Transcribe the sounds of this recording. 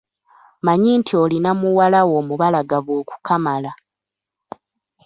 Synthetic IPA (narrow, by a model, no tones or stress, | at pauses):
maɲintʰio̞linamuwalawo̞ːmuβalaɡaβwo̞ːku̥kʰamala